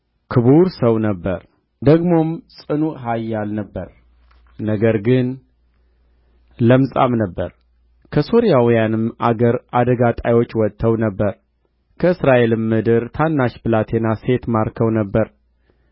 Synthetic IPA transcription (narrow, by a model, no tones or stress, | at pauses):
kʰɨβuɾsəwnəbːəɾ | d̪əɡmo̞msʼɨnuɦajːalnəbːəɾ | nəɡəɾɡɨn | ləmsʼa̰mnəbːəɾ | kʰəso̞ɾijawijanɨmʔaɡəɾad̪əɡat̪ʼajwo̞t͡ʃːwɔt̪ʰːəwnəbːəɾ | kʰəɨsɾaʔe̞lɨmːɨd̪ɨɾt̪ʰanːaʃbɨlat̪ʰe̞nase̞t̪maɾkʰəwnəbːəɾ